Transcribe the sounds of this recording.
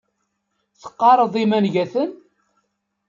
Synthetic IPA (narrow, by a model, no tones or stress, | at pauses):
θə̥qːɑɾˤəðˤimænʝæθən